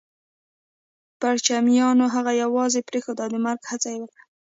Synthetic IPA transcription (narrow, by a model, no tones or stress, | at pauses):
paɽt͡ʃamjɑnoɦaɣajawɑzepɾexod̪ɑd̪əmaɾɡhat͡sajewəkɽa